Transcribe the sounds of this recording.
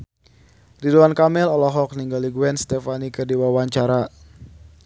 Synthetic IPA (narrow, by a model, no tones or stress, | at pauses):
riduankamɪlɔlɔɦɔk̚niŋɡaliɡuɛnst̪ɛfanikərdiwawaɲt͡ʃaɾa